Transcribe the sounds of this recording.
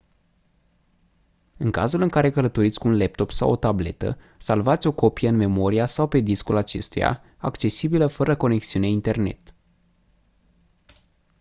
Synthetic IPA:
ɨŋka̰zulɨŋkaɾe̞kələt̪o̞ɾit̪sʲkuunlep̚t̪o̞psa̰wo̞̰t̪able̞t̪ə̰ | salvat̪sʲo̞ko̞pijəɨnme̞mo̞ɾiasawpe̞d̪iskulat͡ʃe̞̰st̪uja̰ | akt͡ʃe̞sibiləfəɾəko̞ne̞ksiune̞int̪e̞rne̞̰t̪

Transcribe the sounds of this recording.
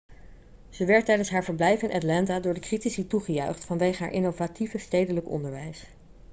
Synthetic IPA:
z̥əʋɛɹtːɛjdənsɦaːɹvəɹblɛjfɪnʔatlɑntadʊːɹdəkritisituχəjœɥχtfɑnʋejχəɦa̰ːɹʔɪnovativəstejdələkɔ̰ndəɹʋɛjs

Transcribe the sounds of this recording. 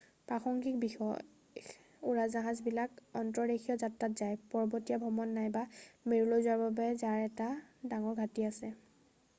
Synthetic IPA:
pɹaxɔŋkʰik̚bixɔ̰j | uɹazaɦazbilakɔntɔɹɹekʰijɔzatɹatzajpɔɹbɔtijabʱɔmɔnːajbameɹulojzaɹbabɛzaɹɛtadaŋɔɹɡʱatiasɛ

